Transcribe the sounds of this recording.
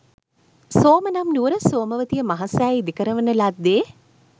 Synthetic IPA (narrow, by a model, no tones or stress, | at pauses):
soːmɐnamnuːɾəsoːməʋət̪ijəmaɦasaːid̪ikəɾəʋənəlad̪ːeː